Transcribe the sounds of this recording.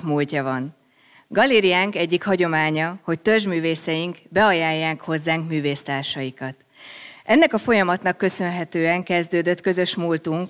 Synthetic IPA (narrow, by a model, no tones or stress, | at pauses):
kmuːlcɒvɒn | ɡɒleːɾijaːŋkɛɟːikhɒɟo̞maːɲɒho̞ct̪ørʒmyːveːsɛjiŋkbɛɒjaːjːaːŋkho̞zːaːŋkmyːveːst̪aːrʃɒjikɒt̪ | ʔɛnːɛkɒfo̞jɒmɒt̪nɒkːø̞sø̞nɦɛt̪øːɛŋkɛzd̪øːd̪ø̞t̪kø̞zø̞ʃmuːlt̪uŋk